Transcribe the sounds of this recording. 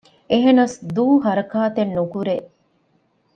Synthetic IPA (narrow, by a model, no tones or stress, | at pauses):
eɦenɐsd̪uːɦɐɾɐkaːt̪enːukuɾeʔ